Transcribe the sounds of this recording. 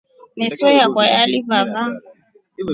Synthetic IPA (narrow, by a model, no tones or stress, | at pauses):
mɛsɔjakwajalibaba